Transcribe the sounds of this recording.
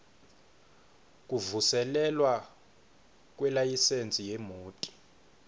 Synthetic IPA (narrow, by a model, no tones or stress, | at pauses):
k̬ʼuvusɛlɛlwa | k̬ʼwɛlajisend͡zʱʼijɛmoːtʼi̥